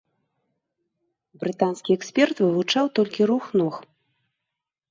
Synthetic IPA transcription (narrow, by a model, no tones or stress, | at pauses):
bɾɨt̪anskʲiɛksʲpʲɛrt̪vɨvut͡ʂawt̪ɔlʲkʲiɾuxnɔx